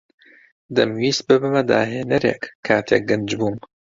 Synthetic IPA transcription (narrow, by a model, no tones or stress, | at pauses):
d̪ɨmwiːs̚bɨbɨmɐd̪a̰ːɦeːnɐɾeːkʰːaːt̪ʰeːk̚ɡɨnd͡ʒbuːm